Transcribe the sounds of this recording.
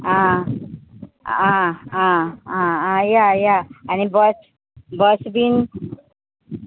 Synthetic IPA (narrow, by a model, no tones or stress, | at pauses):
ã | ããããjajaanibʌs | bʌsbin